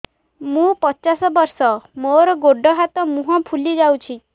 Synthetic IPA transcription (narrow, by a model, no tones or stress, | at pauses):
mũpɔt͡ʃasɔbɔɾsɔmoɾɔɡoɖʱɔɦat̪ɔmũɦɔ̃pʰulid͡ʒawt͡ʃʰi